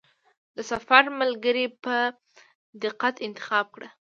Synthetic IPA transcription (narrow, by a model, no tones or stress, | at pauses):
d̪əsafaɾməlɡəɾipə | d̪ɪqːat̪ɪnt̪ɪ̥xɑb̚kɽə